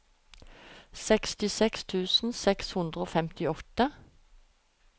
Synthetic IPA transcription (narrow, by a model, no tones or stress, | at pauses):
sɛkst̪ɪsɛkst̪ʰʉːsn̩sɛkshʉnd̪ʁəoːfɛmt̪ɪɔt̪ə